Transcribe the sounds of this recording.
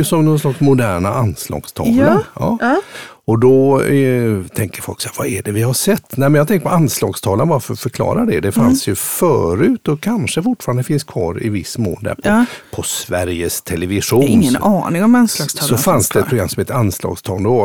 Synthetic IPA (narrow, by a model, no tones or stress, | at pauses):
sɔmnɔnslaksmʊd̪æːɳaʔanslɑ̰ːɡst̪ʰɑ̰ːlɑ̰ː | ɔd̪ɔ | t̪ʰɛŋkəɾfɔlksɛjvaɛɖɛvɪhaʂɛt̪ːnɛɪmɛnjat̪ʰɛŋkəpɔanslɑːɡst̪ʰɑːlanvaɾfœɾfœɾkʰlɑ̰ːɾaɖɛd̪ɛfansjɵfœːɾʉ̟ːt̪ɔkʰanʂəfʊʈːfɑːɾand̪əfɪnskʰvɑ̰ːɾɪ̰vɪsːmo̰ːld̪æ̰ɾpʰɔpʰɔsvæɾjəst̪ʰɛlɛvɪʂuːnɪŋːənɑːnɪŋɔmanslɑːɡst̪ʰsːɔfanssd̪ɛɛt̪pɾʊɡɾamsɔmeːt̪əɾanslɑ̰ːɡst̪ʰɑːlnd̪ɛ